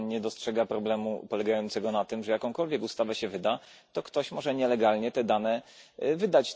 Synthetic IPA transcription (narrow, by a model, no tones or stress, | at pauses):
ɲɛd̪ɔstʂɛɡapɾɔblɛmṵpɔlɛɡajɔnt̪sɛɡɔnat̪ɘmʐɛjakɔ̃w̃kɔlvʲjɛkust̪avɛɕɛvɘd̪a | t̪ɔkt̪ɔɕmɔʐɛɲɛlɛɡalɲɛt̪ɛd̪anɛ | vɘd̪at͡ɕ